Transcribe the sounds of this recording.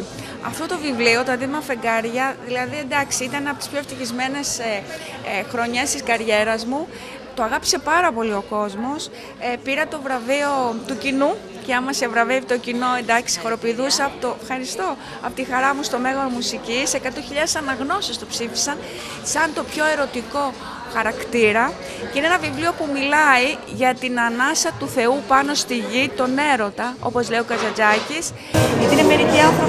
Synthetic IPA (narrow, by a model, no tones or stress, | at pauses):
ɐ̰ft̪o̞t̪o̞vivlio̞t̪oɐd̪iðimɐfe̞ŋɡɐɾʝɐðilɐðie̞nd̪ɐksiit̪ɐneɐpot̪ispçoft̪içizme̞ne̞s | xɾo̞ɲest̪iskɐɾʝe̞ɾɐzmu | t̪o̞ɐɣɐpi̥se̞pɐɾɐpo̞lio̞ko̞zmo̞s | piɾɐt̪o̞vɾɐvio̞t̪ucinu | ceɐmɐsevɾɐvevit̪o̞cino̞end̪ɐksi̥xo̞ɾo̞piːðusɐpot̪ofxɐɾist̪o̞ | ɐpot̪ixɐɾɐmust̪o̞me̞ɣonmusicise̞kɐt̪oçiʎɐðesɐnɐɣno̞sest̪opsifi̥sɐn | sɐnt̪o̞pço̞e̞ɾo̞t̪iko̞ | xɐɾɐkt̪iɾɐ | ceineenɐvivlio̞pumilɐi | ʝɐt̪inɐnɐsɐt̪uθe̞upɐno̞st̪iʝit̪o̞ne̞ɾo̞t̪ɐo̞̰po̞zle̞io̞kɐzɐd͡zɐcis | ʝɐt̪ineme̞ɾiciɐfo